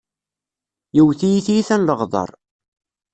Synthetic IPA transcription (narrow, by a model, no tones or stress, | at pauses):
jiwθijiθijiθænləʁðˤɑ̰ɾˤ